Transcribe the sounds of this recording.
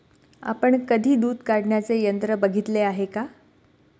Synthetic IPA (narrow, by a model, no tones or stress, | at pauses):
a̰pəɳkəd̪ʱiːd̪uːd̪kaɽɳjat͡sejənt̪ɾəbəɡʱit̪leaɦeka